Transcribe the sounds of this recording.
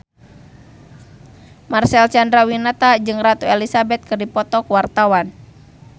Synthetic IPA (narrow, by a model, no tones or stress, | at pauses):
marsɛlt͡ʃandɾawinat̪ad͡ʒɨŋrat̪uelisabɛt̪̚kɨrdipɔt̪ɔkwart̪awan